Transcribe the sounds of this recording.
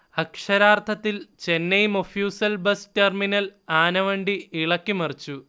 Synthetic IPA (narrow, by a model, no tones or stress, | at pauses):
ɐkʂɐɾaːrt̪ʰɐt̪ːilt͡ɕe̞nːejumofjuːsɐlbɐsterminɐlaːnɐʋɐɳɖiiɭɐkʲːimɐrit͡ɕːu